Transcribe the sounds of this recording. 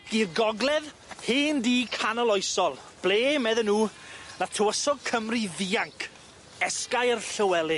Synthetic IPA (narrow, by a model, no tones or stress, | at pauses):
ɡ̥iːrɡɔɡlɛð | heːndiːkʰanəlˠɔjsɔlˠ | b̥leːmɛðənːuːnatʰəwəsɔɡ̚kʰəmriðiːaŋkʰ | ɛskajərɬəwɛlˠɪ